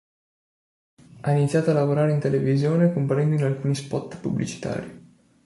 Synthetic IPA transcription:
ainit̪sːjaːt̪oalːavoɾaːɾeint̪elevizjoːnekompaɾɛnd̪oinalkuːnispɔt̪ːpubːlḭt͡ʃi̥t̪a̰ːɾi

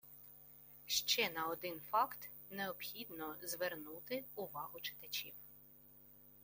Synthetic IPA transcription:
ʃt͡ʃɛnɐɔd̪ɪnfɑkt̪ | neɔpxʲid̪nɔzʋernut̪ɪʊʋɑɦʊt͡ʃɪ̥t̪ɐt͡ʃʲiw

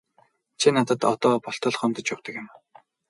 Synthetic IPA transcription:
t͡ɕʰinat̪ə̆t̪ɔt̪ɔːpɔɬt̪ɞ̆ɮχœmt̪ə̆t͡ɕpʊwt̪ə̆kɪ̆m

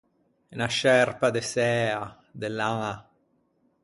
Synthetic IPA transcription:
enaʃɛrpad̪esɛːa | d̪elːaŋa

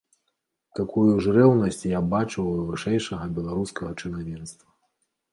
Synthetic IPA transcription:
t̪akʰujuʐrɛwnɐsʲt͡sʲjabat͡ʂɨwvɨʂɛjʂɐɣɐbʲɛlˠaɾuskɐɣɐt͡ʂɨnavʲɛnst̪vɐ

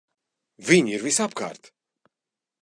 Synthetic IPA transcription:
vʲiɲiɾvisapka̰ːɾt̪

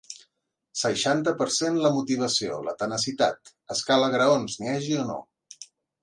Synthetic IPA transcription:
səʃant̪əpəɾsenləmut̪iβ̞əsio̰lə̰t̪ənəsit̪a̰t̪ | əskaləɣɾəonzneɛʒiono̰

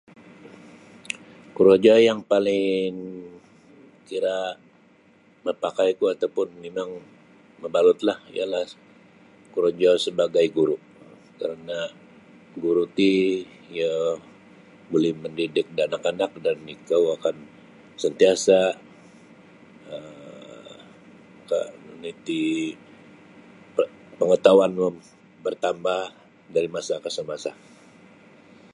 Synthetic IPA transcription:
kuɾod͡ʒɔjaŋpalɪŋ | kiɾa | məpakajkuat̪awpʊnmemaŋ | məbalʊt̪lahḭjalah | kuɾod͡ʒasəbaɡajɡuɾuʔ | kaɾəna | ɡuɾut̪i | ja | bolɛhməndidɪk̚danakanak̚danːikawakan | sənt̪iasa | ə | ka̰nit̪i | pəŋət̪awanmə | bərt̪ambah | daɾimasakəsəmasa

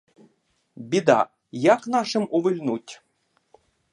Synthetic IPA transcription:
bʲid̪ɑ̰ | jɑknɑʂɘ̆muvɘlʲnutʲ

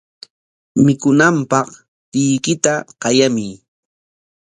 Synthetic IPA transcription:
mɪkʊnampɑχ | t̪ɪjkɪt̪aqɑjamij

